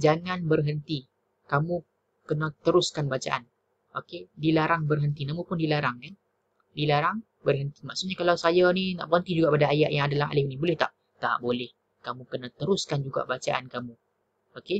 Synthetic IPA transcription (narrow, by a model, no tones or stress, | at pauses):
d͡ʒaŋanbərɦənt̪i | kamu | kənat̪əɾʊskanbat͡ʃa̰ʔa̰n | ʔokedilaɾaŋbərɦənt̪inamupʊndilaɾaŋan | dilaɾaŋ | bərɦənt̪i̥maʔsuʔɲakalawsajanina̰ʔbəənt̪id͡ʒuɡaʔpadaːjaʔjaŋadalaɦa̰lɪfnibolɛht̪aʔ | t̪a̰ʔbolɛh | kamukənat̪əɾʊskand͡ʒuɡa̰ʔbat͡ʃaʔa̰nkamu | oke